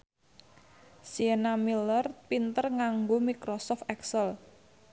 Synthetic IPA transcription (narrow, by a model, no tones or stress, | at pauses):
sienamilərpint̪ərŋaŋɡomikɾɔsɔft̪ɛksəl